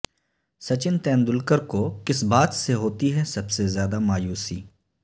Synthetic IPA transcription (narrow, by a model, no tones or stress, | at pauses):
sɐt͡ʃɪnt̪ɛ̃ːnd̪ʊlkəɾkokɪsbaːt̪seɦoːt̪iɦɛsɐbsezjaːd̪amaːjuːsiː